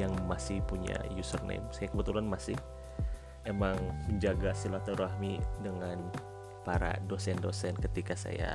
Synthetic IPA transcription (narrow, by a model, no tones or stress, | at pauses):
jaŋmasɪhpuɲa̰jusərnḛmsajakəbət̪ulanmasɪh | emaŋməɲd͡ʒaɡasilat̪oɾaɦmidəŋan | paɾa̰dosɛndosɛnkət̪ikasa̰ja̰